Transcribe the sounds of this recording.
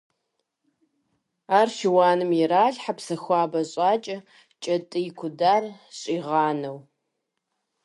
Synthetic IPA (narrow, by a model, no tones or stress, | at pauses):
aːrʃɪwɑːnɨmjɪɾaːɮħapsɐxʷaːbɐɕʼaːt͡ʃʼɐ | t͡ʃʼɐtʼɨjɪkʷʰʊdaːrɕʼiːʁɑːnɐw